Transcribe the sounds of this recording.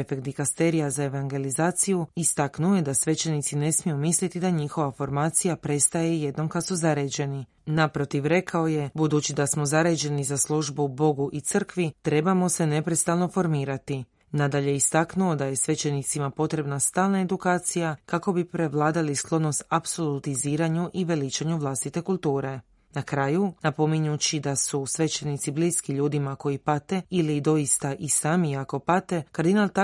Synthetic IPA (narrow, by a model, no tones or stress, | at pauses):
efekt̪d̪ikast̪e̞ɾijazae̞ʋaŋɡe̞lizaːt̪sijuist̪aknuojed̪asʋe̞t͡ɕe̞nit̪sine̞smijumislit̪id̪aɲixo̞ʋafo̞ɾmaːt̪sijapɾe̞st̪aje̞je̞d̪no̞mkad̪suzaɾed͡ʑe̞ni | napɾo̞t̪iʋɾe̞kʰao̞je̞bud̪ut͡ʃid̪asmo̞zaɾed͡ʒe̞nizaslˠuʒbubo̞ɡuʔit̪sɨr̩kʋit̪ɾe̞bamo̞se̞ne̞pɾe̞st̪alˠno̞fo̞ɾmiːɾat̪i | nad̪aʎe̞ist̪aknuo̞d̪aje̞sʋe̞t͡ʃe̞nit̪simapo̞t̪ɾe̞bnast̪aːlˠnae̞d̪ukaːt̪sijakako̞bipɾe̞ʋlˠaːd̪alisklˠo̞dno̞st̪apso̞lut̪iziːɾaɲuʔiʋe̞lit͡ʃaɲuʋlˠast̪it̪e̞kulˠt̪uːɾe̞ | nakɾaːjunapo̞miɲut͡ɕid̪asusʋe̞t͡ʃe̞nit̪sibliːskiʎuːd̪imako̞jipat̪e̞ilid̪o̞ist̪aʔisaːmiako̞pat̪e̞kaɾd̪inalˠt̪